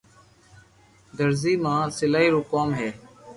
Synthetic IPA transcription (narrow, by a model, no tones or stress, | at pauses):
d̪əɾziːmãːsɪlaːɦiːɾʊːkaːmɦeː